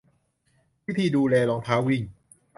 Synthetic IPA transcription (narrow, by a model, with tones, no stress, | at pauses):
wi˦˥t̪ʰiː˧duː˧lɛː˧lɔː˧ŋt̪ʰaː˦˥wi˧˩ŋ